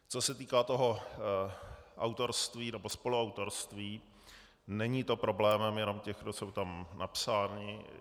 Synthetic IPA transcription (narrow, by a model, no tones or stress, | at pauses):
t͡so̞sɛt̪iːkaːt̪o̞ɦo̞ | ʔawt̪o̞ɾst̪viːnɛbospo̞luawt̪o̞ɾst̪viː | nɛɲɪt̪o̞pɾo̞blɛːmɛmjɛno̞mcɛxdosowt̪amnapsaːnɪ